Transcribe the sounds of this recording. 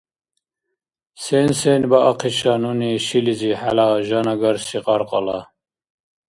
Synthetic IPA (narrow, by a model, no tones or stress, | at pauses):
sensenbaʔɑqʰiʃɑnuniʃiliziħa̰laʒɑnɑɡɑɾsiqʼɑɾqʼɑ̰lɑ